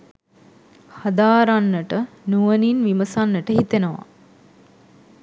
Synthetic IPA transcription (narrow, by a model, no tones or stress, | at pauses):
had̪aːɾanːəʈə | nuʋəninʋiməsanːəʈəɦit̪enəʋa̰